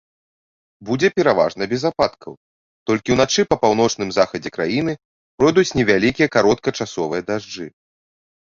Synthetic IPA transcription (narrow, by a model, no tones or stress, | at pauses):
bud͡zʲɛpʲɛɾava̰ʐnɐbʲɛzapat̪kʰɐ̰w | t̪ɔlʲkʲiwnat͡ʂɨpɐpawnɔt͡ʂnɨmzaxɐd͡zʲɛkɾajin̪ɨ | pɾɔjd̪ut͡sʲnʲɛvʲalʲikʲijɐkaɾɔt̪̚kɐt͡ʂasɔvɨjɐd̪aʐd͡ʐɨ